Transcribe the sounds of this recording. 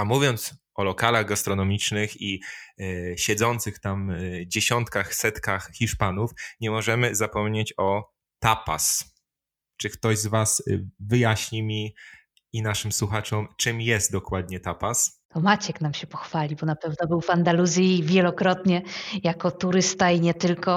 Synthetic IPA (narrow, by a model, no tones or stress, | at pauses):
amuvʲjɔnt̪sʔɔlɔkalaɣɡast̪ɾɔnɔmʲit͡ʂnɘxi | ɕɛd̪zɔnt̪sɘxt̪amd͡ʑeɕɔnt̪kaxsɛt̪kaxxʲiʂpanufɲɛmɔʐɛmɘzapɔmɲet͡ɕɔ | t̪apa̰s | t͡ʂɘkt̪ɔʑzvasvɘjaɕɲimʲi | inaʂɘmswuxat͡ʂɔmt͡ʂɘmjɛst̪̚d̪ɔkwad̪ɲɛt̪apast̪ɔmat͡ɕɛknamɕɛpɔxfalʲibɔnapɛvnɔbɘwvand̪aluzʲjivʲjɛlɔkɾɔt̪ɲɛjakɔt̪uɾɘst̪aiɲɛt̪ɘlkɔ